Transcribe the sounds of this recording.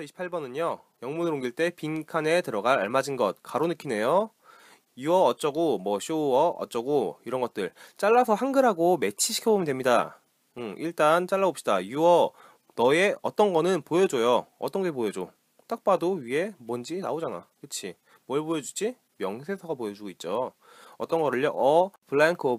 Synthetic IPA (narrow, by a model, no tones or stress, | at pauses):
ʌiɕʰi̥pʰaɭbʌnɯɲʌ | jʌŋmunɯɾoŋɡiɭt͈e̞pinkʰane̞tɯɾʌɡaɾaɭmad͡ʑinɡʌt̚kaɾonɯkʰine̞jo | juʌːt͡ɕ͈ʌɡomwʌɕʰoʌʌ̰t͡ɕ͈ʌɡoiɾʌnɡʌt̚t͈ɯɭt͡ɕ͈aɭːasʰʌhaŋɡɯɾɦaɡome̞t͡ɕʰiɕʰi̥kʰjʌbomjʌndwemɲida̰ | ɯiɭt͈ant͡ɕ͈aɭːaop̚ɕ͈idajuʌ | nʌeʌt͈ʌnɡʌnɯnpojʌd͡ʑojoʌt͈ʌnɡepojʌd͡ʑo | t͈ak̚p͈adoɥie̞mʌnd͡ʑina̰od͡ʑana̰kɯt͡ɕʰi | mʌɭbojʌd͡ʑud͡ʑʰi | mjʌŋsʰe̞sʰʌɡapojʌd͡ʑuɡoit̚t͡ɕ͈o | ʌt͈ʌnɡʌɾɯɭjʌʔʌpɯɭːankʰo